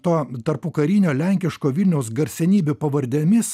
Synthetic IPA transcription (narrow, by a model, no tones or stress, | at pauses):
t̪oːt̪ɐɾpukɐɾʲiːnʲoːlʲæŋʲkʲɪʃkoːʋʲɪlʲnʲɛʊsɡɐɾʲsʲɛnʲiːbʲupɐʋɐɾʲd̪ʲemʲɪs